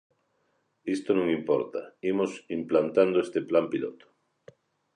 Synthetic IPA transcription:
ist̪onõŋimpɔɾt̪a̰imosimplant̪and̪oest̪eplampilo̰t̪o̥

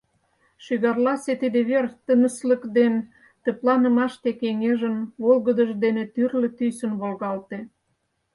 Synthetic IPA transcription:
ʃyɣɑrlɑset̪ed̪eβert̪ənəsləkd̪en | t̪ə̆plɑnə̆mɑʃt̪ekeŋeʒənβolɣəd̪əʒd̪enet̪yrlĕt̪ysə̆nβolɣɑlt̪e

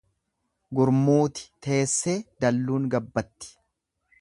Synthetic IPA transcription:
ɡʊɾmuːt̪ɪ̥t̪e̞ːsːe̞ːd̪ɐlːuːnɡɐbːɐt̪ːɪ̥

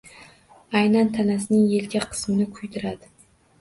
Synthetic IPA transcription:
ajnant̪ʰanasɪnɪŋje̞lkʲʰaqʰɨ̥smɪnɪkʰʊjt̪ʰɪɾad̪ɪ

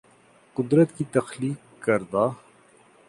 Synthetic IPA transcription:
qʊd̪ɾət̪kit̪ɐxliːk | kːɐɾd̪aː

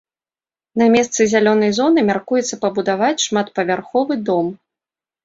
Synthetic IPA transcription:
nɐmʲɛst̪sɨzʲalʲɔnɐjzɔnɨmʲarkujɛt̪sːɐpɐbud̪avat͡sʲʂmat̪pɐvʲarxɔvɨd̪ɔm

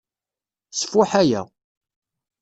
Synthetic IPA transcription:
sə̥fʊħæjæ̰

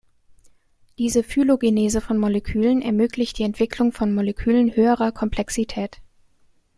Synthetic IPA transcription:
d̥iːzəfyloɡeneːzəfɔnmolekʰyːlənɛɐmøːklɪçt̚d̥iːɛntv̥ɪkl̥ʊŋfɔnmolekʰyːlənhøːəʁɐkʰɔmpʰl̥ɛksitʰɛːt

